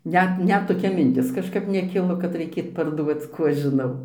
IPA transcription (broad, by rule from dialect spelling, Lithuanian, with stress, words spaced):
ˈnʲɛt ˈnʲɛt toːˈkʲɛ mʲɪnʲˈtʲɪs kɐʃˈkɐp nʲɛˈkʲɪlˠoː kɐt rɐɪˈkʲeːt pɐrˈduɔt͡s ˈkuː ɐʃ ʒʲɪˈnɐʊ